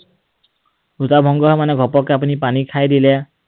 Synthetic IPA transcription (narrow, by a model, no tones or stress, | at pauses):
utabʱɔŋɡɔɦɔmaneɡʱɔpɔkap̬unipanikʰajd̪ile